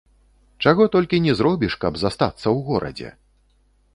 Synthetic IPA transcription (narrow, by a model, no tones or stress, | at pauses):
t͡ʂaɣɔt̪ɔlʲkʲinʲɛzɾɔbʲiʂkɐbzast̪at̪sːɐwɣɔɾʔɐ̰d͡zʲɛ̰